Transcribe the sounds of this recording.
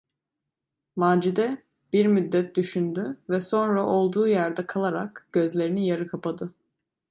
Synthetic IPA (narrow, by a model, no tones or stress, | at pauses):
maːd͡ʒid̪ɛ | b̥iɾmyd̪ːɛt̪̚d̪yʃynd̪yvɛso̞nɾaʔo̞lˠd̪uːjæɾd̪ɛkʰalˠaɾakɟ̥ø̞zlʲe̞ɾinijaɾɯkʰapad̪ɯ